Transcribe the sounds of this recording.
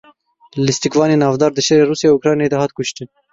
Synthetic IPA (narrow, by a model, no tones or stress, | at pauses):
lɪst̪ikvɑːneːnɑːvd̪ɑːɾd̪ɨʃeɾeːɾuːsjɑukɾɑːnjeːd̪ɛɦɑːt̪̚kʊʃt̪ɨn